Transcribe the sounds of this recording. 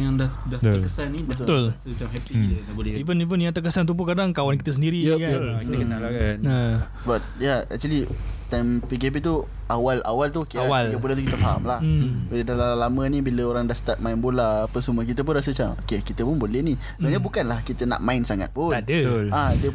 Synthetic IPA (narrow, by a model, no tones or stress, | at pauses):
jaŋdahdaəkəsanibət̪t̪ʊlt͡ʃamɦɛpinabolɛipʊnip̬ʊnjaŋt̪əkəsant̪up̬ukadaŋkawankit̪əs̬əndiɾikakit̪kəalakana | əbat̪̚jaɛ̰k̚t͡ʃalit̪ampikɛp̬it̪̬u | ʔawalʔa̰walt̪ukewaliɡəp̬ulant̪ukit̪əfaɦa̰mlaholədalalalamə̃nĩbiləoɾaŋdahst̪at̪̚maɪnbolapəsumək̬it̪əp̬ʊnras̬ət͡ʃaokekit̪əpʊnbolɛhnisaɲabukanlahkit̪əna̰ʔmãɪnsaŋa̰t̪̚puandət̪ladiə